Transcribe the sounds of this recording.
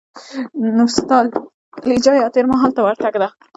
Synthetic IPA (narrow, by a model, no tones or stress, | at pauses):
nost̪ɑl | lid͡ʒɑjɑt̪eɾmaɦɑlt̪awaɾt̪aɡd̪a